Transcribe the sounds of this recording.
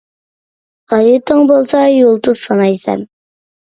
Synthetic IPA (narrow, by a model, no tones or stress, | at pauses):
ʁɑjit̪ʰəŋbolˠsɑjolˠt̪uzsɑnɑjsɛ̰n